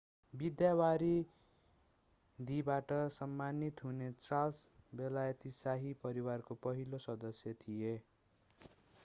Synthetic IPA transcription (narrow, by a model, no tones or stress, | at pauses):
bid̪jawaɾi | d̪ibaʈʌsʌmːanit̪ɦunet͡sralsbelajʌt̪isaɦipʌɾiwarkopʌɦilosʌd̪ʌsjʌt̪ʰije